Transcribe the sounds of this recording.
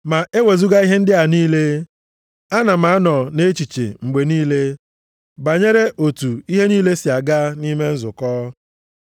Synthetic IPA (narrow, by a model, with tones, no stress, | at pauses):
ma˨ʔe˦we˨zu˦ɡa˦i˦ɦe˦n̩˦dɪ˦a˨niː˦le˦ | a˦na˨m̩a˨a˦nɔ˨ne˦t͡ʃi˨t͡ʃḛ˨ŋ͡m̩˨ɡ͡be˨niː˦le˦ | ba˨ɲe˦ɾe˦ʔo˨tu˨i˦ɦe˦niː˦le˦sɪ˨a˨ɡa˦ni˦me˦n̩˦zʊ˨kɔː˦